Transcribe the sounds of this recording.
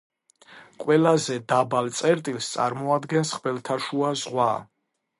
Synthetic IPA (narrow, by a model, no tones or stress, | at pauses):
qʼwɛlazɛd̪abalt̪sʼɛɾt̪ʼilst̪sʼa̰ɾmɔad̪ɡɛnsχbɛlt̪ʰaʃuazʁwa̰